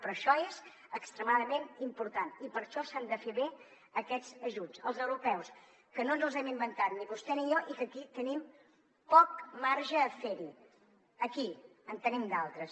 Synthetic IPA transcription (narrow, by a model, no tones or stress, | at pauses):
pɾɔʃɔez | əkst̪ɾəmaðəmenimpuɾt̪anipəɾʃɔsand̪əfeβe | əkɛd͡zəʒud͡zəlˠzəwɾupɛws | kənonzəlˠzɛmimbənt̪at̪niβust̪ɛnijɔʔikəkit̪ənim | pɔk̚maɾʒəːfeɾi | əkiənt̪ənimd̪alˠt̪ɾəs